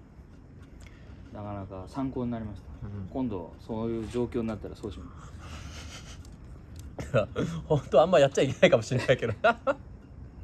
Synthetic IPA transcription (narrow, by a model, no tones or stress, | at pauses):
nakanakasãŋko̞ːɲ̟inaɾʲimaɕi̥t̪ḁkõ̞nd̪o̞̰sojɯ̟ːd͡ʑo̞ːkʲo̞ːɲ̟inat̪ːaɾasoːɕimas | ahõ̞nt̪o̞ãmːajatt͡ɕːt͡ɕaikʲe̞naikamoɕĩnːajke̞d̪ona